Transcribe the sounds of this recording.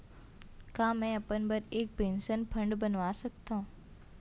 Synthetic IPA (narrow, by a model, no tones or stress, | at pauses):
kãːmɛ̃ɐpənbɐɾeːk̚pẽːnsənpʰɐ̃ɳɖbɐnʋasɐkt̪aɦũː